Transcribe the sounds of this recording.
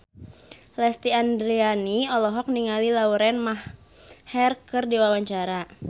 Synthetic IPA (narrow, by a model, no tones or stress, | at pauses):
lɛst̪iandɾianiɔlɔɦɔk̚niŋalilauɾɛnmah | hɛrkərdiwawaɲt͡ʃaɾa